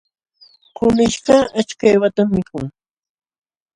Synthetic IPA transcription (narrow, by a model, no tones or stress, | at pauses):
qʊmɪʃɢɑat͡ʃkajwat̪amːɪkʊŋ